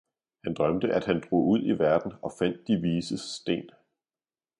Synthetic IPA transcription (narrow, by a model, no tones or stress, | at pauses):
hænd̥ʁɶmd̥əʔæd̥hænd̥ʁo̝̰ːuð̞̰ˠiʋæɐd̥n̩ɒ̽fæn̰d̥ːiʋiːsəsd̥e̝̰ːn